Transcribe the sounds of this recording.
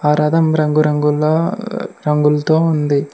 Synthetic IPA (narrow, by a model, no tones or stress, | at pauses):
aːɾaːd̪ɐmɾɐŋɡuɾɐŋɡulɐɾɐŋɡult̪oːund̪i